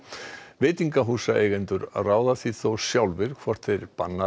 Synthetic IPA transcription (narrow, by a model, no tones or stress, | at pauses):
vɪːt̪iŋkaɦuːsaʔeːjɣɛnt̪ʏɾraːwðaθiθowsjawlvɪɾ̥kʰvɔr̥t̪feɾpanːa